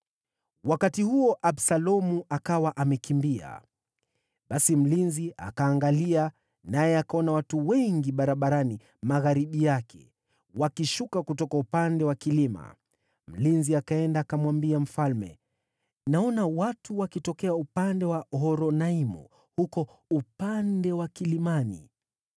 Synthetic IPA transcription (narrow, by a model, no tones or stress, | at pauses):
wakatihuɔʔaɓsalɔmuakawaʔamɛkimbia̰ | ɓasim̩linziʔa̰kaːŋɡalia | najɛakaɔnawatuwɛŋɡiɓaɾaɓaɾani | maɣaɾiɓijakʰɛ̰ | wakiʃukakutɔkaupandɛwakilima̰ | m̩linziakaɛndaːkamwambiam̩falmɛ̰ | naɔnawatuwakitɔkɛaupandɛwaɦɔɾɔnaimṵ | hukɔ | upandɛwakilimanḭ